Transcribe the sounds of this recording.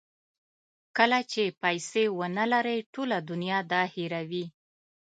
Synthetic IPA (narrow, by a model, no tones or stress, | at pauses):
kəlat͡ʃepajsewənalaɾəjʈolad̪ʊnjɑd̪ɑhiɾawi